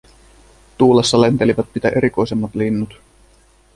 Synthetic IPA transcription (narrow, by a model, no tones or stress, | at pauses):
t̪uːlesːɑlent̪e̞liʋæt̪̚pit̪æʔe̞ɾiko̞jse̞mːɑt̪linːut̪